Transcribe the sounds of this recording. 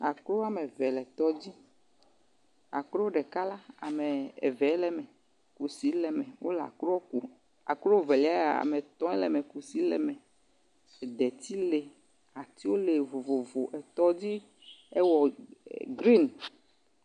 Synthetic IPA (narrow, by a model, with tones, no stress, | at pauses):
a˨klo˦a˦me˨vɛ˨lɛ˨t̪ɔ˦d͡ʑi˦ | a̰˨klo˦wo˦ɖɛ˨ka˦la˦a̰˨me˨ɛ̰˨vɛ˨˦lɛ˨mɛ˨ | ku˨si˨˦lɛ˨mɛ̃˨wʔo˦la̰˨kɾo˦o˦ku˨ | a̰˨kɾo˦wo˦˨ve˨li˨˦a˦a˨a̰˨me˨t̪ɔ̃˦ɛ˦lɛ˨me˨ku˨si˨˦lɛ̰˨mɛ̃˨ | d̪ɛ˨t̪i˦le˨ | a˨t̪i˦wo˦le˨vo˨vo˨vo˨ʔɛ˨t̪ɔ˦d͡ʑi˦ | e˦wɔ˨ɡɾi˦˨n